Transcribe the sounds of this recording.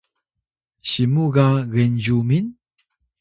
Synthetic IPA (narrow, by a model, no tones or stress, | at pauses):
ɕimuɣaɣend͡ʑumin